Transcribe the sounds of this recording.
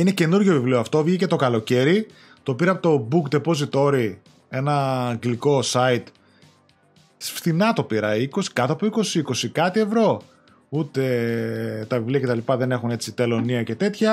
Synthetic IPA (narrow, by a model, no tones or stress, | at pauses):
inece̞nuɾʝovivlioɐft̪o̞vʝice̞t̪o̞kɐlo̞ce̞ɾi | t̪o̞piɾɐpot̪o̞bukd̪epo̞zit̪o̞ɾi | e̞nɐːŋɡliko̞sɐit̪ | sfθinɐt̪o̞piɾɐiko̞si̥kɐt̪ɐpuiko̞siiko̞sikɐt̪ie̞vɾo̞ | ut̪e̞ | t̪ɐvivliɐcet̪ɐlipɐðe̞ne̞xune̞t͡sit̪e̞lo̞niɐce̞t̪e̞t̪çɐ